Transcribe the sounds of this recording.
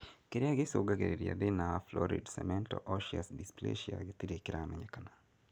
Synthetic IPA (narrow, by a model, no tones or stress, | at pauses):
keɾiaɡɪsʊɡakeɾiɾia̰dɪnaflɔɾḭdsɛ̰mɛntɔ̰ʔɔʃiasdisplḛʃia̰ɡɪt̪iɾekɪɾamɛɲakana